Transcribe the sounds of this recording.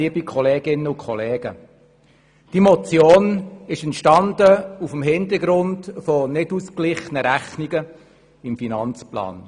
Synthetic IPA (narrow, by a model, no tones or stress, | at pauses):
iəbikʰχɔleːɡɪnːəʊkʰχɔleːɡ̥ə | d̥imɔt͡sjoːnɪʃɛntʃtɑndəufəmɦɪnd̪əɾɡɾʊndfɔnɪdusklɪχənəɾæχniɡə | ɪmfinɑnt͡splɑ̰ːn